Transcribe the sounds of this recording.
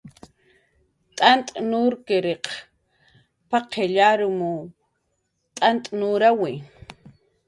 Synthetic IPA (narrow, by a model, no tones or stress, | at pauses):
t̪ʼant̪ʼnuɾkeɾeq | paqʰeʎaɾʊmu | t̪ʼant̪ʼnuɾawɪ